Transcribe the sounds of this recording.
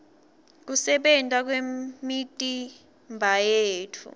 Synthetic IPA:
k̬usɛɓɛntʼak̬wemitʼi | mbʱajeːtʰṵ

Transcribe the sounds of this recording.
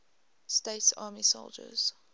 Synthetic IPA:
steɪtsɑ̰ːmiso̰ʊlˠd͡ʒə̰z̥

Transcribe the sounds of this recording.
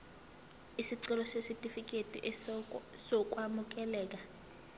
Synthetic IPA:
isiǀɛlɔsesitʼifik̬ʼetʼḭʔ | sɔk̬ʼwamuk̬ɛlɛːk̬a

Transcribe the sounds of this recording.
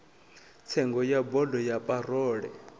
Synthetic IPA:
t͡sʰɛŋɡɔjabɔdɔjapʼarɔːɺɛ

